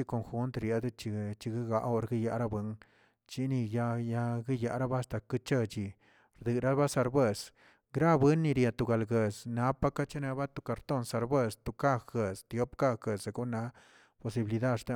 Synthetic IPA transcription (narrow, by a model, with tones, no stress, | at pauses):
i˦ko˧ŋxu˦nt̪ɾje˧d̪t͡ʃi˧t͡ʃi˧ɡi˦ɡa˧˦ʔo˧ɾɡi˦ja˧ʔɾa˦bwɨ˧˦ŋ | t͡ʃi˦ni˧ja˧ja˧ɡi˦ja˧ʔɾa˦ba˦st̪a˧kɨ˦t͡ʃə˧t͡ʃi˧ | ɾd̪ɨ˨ɾa˦ba˦sa˧ɾbe˦˧˨s | ɡɾa˦bwɨ˦nːi˧ɾja˧t̪u˨ɡa˨lɡe˨sna˨˦pa˦ka˦t͡ʃe˦na˧ba˦t̪u˧ka˨ɾt̪o˦˨nsa˨˧ɾbe˦˧˨st̪u˨ka˦˧xe˨st̪jo˦pka˦ɡə˨sa˧ɡu˦na˧˦ | po˨si˧bi˨li˧d̪a˦˧d̪ʂt̪a˦